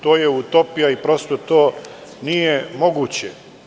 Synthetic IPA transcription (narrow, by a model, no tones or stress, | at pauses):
t̪oːjeut̪opijaipɾo̞st̪ot̪oːnijemo̞ɡuːt͡ɕe